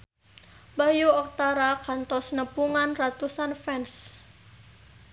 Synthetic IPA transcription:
bajuɔk̚t̪aɾakant̪ɔsnəpuŋanrat̪usanfɛns

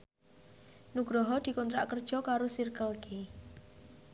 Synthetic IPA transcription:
nuɡ̥ɾɔɦɔd̪̥i̤kɔnt̪ɾaʔkərd̥ʒ̥ɔ̤kaɾosirkəlke

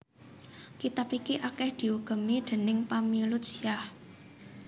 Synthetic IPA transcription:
kit̪apikiʔakɛhd̪̥i̤uɡ̥ə̤mid̪̥e̤nɪŋpamilutsijah

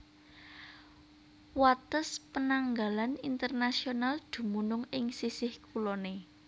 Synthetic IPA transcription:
wat̪əspənaŋɡalanint̪ərnasionald̪̥ṳmunʊŋɪŋsisɪhkulɔne

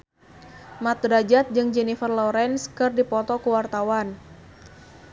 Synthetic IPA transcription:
mat̪̚ɾad͡ʒat̪̚d͡ʒɨŋd͡ʒɛnifərlɔɾɛnskɨrdipɔt̪ɔkuwart̪awan

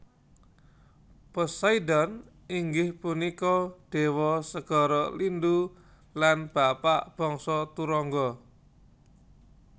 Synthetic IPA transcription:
pəsaidɔn | iŋɡɪhpunikɔɖ̥e̤wɔsəɡ̥ɔ̤ɾɔlindu | lanb̥apaʔb̥ɔ̤ŋsɔt̪uɾɔŋɡɔ

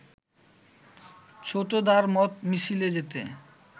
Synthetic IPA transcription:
t͡ɕʰoʈod̪aɾmɔt̪miʃiled͡ʑet̪ḛ

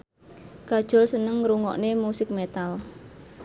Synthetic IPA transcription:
ɡ̥a̤d̥ʒ̥ʊ̤lsənəŋːɾuŋɔ̰ʔnemusɪk̚met̪al

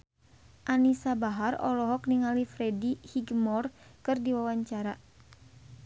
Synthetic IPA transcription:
ʔanisabaɦarɔ̰lɔɦɔk̚niŋalifɾɛdihiɡmɔrkɨrdiwawaɲt͡ʃaɾa

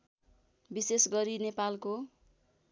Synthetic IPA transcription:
bisesɡʌɾinepalko

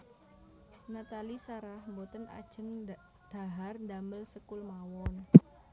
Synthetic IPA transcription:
nat̪alisaɾahmbot̪əna̰d̥ʒ̥ə̤ŋ | d̪̥a̤ɦarnd̪aməlsəkʊlmawɔn

